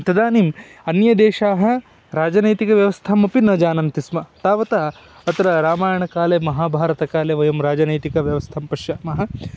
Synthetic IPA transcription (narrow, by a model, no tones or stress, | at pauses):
t̪ɐd̪aːniːmɐnjɐd̪eːʃaːɦɐ̆ | ɾaːd͡ʒɐnɐjt̪ikɐʋjɐʋɐst̪ʰɐmɐpinɐːd͡ʒaːnɐnt̪ismɐt̪aːʋɐt̪ɐ | ɐt̪ɐɾɐɾaːmaːjɐɳɐkaːleːmɐɦaːbʱaːɾɐt̪ɐkaːleːʋɐjɐmɾaːd͡ʒɐnɐjt̪ikɐʋjɐʋɐst̪ʰɐmpɐʃjaːmɐɦɐ̆